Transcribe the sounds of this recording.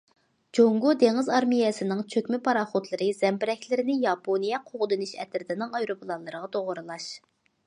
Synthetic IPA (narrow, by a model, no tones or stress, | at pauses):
d͡ʒoŋɡod̪eŋɪzɑɾmijɛsɨnɪŋt͡ʃʰøkʲmɪpʰɑɾɑːχot̪lˠɨɾɨz̥ɛmbɪɾɛkʲlɪɾɪnɪjɑpʰonijɛqʰoʁd̪ɨnɨʃɛ̰t̪ʰɪɾd̪ɪnɪŋɑjɾopʰlˠɑnlˠɨɾəʁɑt̪ʰoʁʊɾɨlˠɑʃ